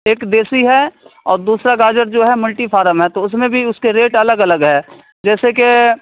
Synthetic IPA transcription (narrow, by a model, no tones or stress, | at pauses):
eːkd̪eːsiɦɛɔ̰ːɾd̪uːsɾaɡaːd͡ʒəɾd͡ʒoːɦɛmʊlʈifʰaːɾəmɦɛt̪oʊs̬mẽbʱiʊskeɾeːʈɐləɡɐləɡɦɛː | d͡ʒɛːseke